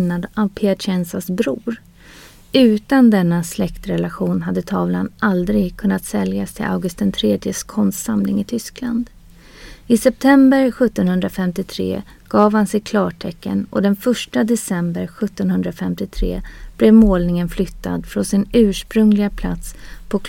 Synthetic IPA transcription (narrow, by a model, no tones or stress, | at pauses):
nːad̪avpʰeaɕɛnsasbɾuːɾ | ʉ̟ːt̪and̪ɛnːaslɛkt̪ɾɛlaɧuːnɦad̪ːət̪ʰɑːvlanʔald̪ɾɪɡkʰɵnːat̪sɛljast̪ʰɪla̰ʊɡɵst̪ənt̪ʰɾeːd̪jəskʰɔnst̪samlɪŋɪt̪ʰʏskland̪ | ɪsɛp̚t̪ʰɛmbəɾɧɵt̪ːɔnhɵnd̪ɾafɛmt̪ɪt̪ʰɾḛː | ɡ̥ɑːvhansɛjkʰlɑːʈʰɛkːə̰nɔ̰d̪ɛnfœʂʈad̪ɛsɛmbəɾɧɵt̪ːɔnhɵnd̪ɾafɛmt̪ɪt̪ʰɾḛːb̥lɛvmoːlnɪŋənflʏt̪ːa̰d̪fɾɔnsɪnʉ̟ːʂpɾɵŋlɪɡapʰla̰t̪spʰɔk